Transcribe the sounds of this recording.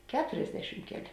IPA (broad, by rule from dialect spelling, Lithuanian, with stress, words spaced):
ˈkʲæːtʊrʲɛzʲdʲɛʃʲɪm ˈkʲæːˌlʲeː